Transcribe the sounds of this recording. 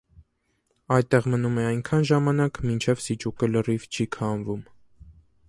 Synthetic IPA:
ɑjt̪ːɛʁmənumɛɑjnkʰɑnʒɑmɑnɑkmint͡ʃʰɛvsit͡ʃukələrivt͡ʃʰikʰɑnvum

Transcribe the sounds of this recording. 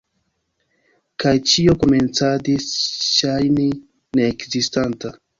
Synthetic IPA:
kajt͡ʃio̞koment͡sadisʃajni | neːkzistanta

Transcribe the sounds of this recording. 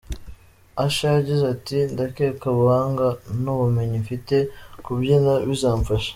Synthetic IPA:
aʃajaɟizatindakekaβuhaːŋɡanoβume̞ɲifite̞kubjinaβizaːɱfaʃḁ

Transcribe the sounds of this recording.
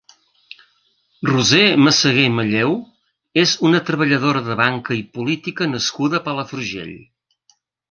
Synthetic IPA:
ruzeməsəɣeməʎew | ezunət̪ɾəβəʎəðoɾəðəβaŋkəipulit̪ikənəskuðəpəlˠəfɾuʒḛʎ

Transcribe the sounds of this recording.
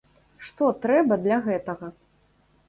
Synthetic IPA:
ʂt̪ɔt̪ɾɛbɐd̪lʲɐɣɛt̪ɐɣɐ

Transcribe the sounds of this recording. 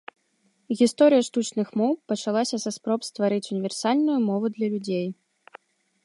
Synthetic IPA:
ɣʲist̪ɔɾɨjɐʂt̪ut͡ʂnɨxmɔwpɐt͡ʂalˠasʲɐzɐspɾɔpst̪vaɾɨt͡sʲunʲivʲɛrsalʲnujumɔvud̪lʲɐlʲud͡zʲej

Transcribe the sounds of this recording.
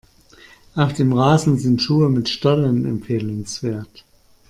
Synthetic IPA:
ʔaʊfd̥eːmʁaːzn̩zɪntʃuːəmɪtʃtɔlənɛ̰mfeːlʊnsv̥eːɐt

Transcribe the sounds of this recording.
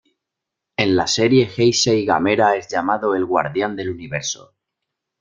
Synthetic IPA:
e̞nlase̞ɾje̞xejseiɣa̰me̞ɾae̞zʎamaðo̞e̞lɣwa̰ɾðjand̪e̞luniβ̞e̞ɾso̰

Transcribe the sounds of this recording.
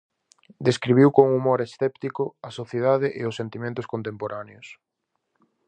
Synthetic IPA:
d̪eskɾiβ̞iwkoŋumoɾesθɛpt̪ikoɐsoθjeðaðɪʔeʊsːent̪imẽnt̪ʊskont̪empoɾaneos

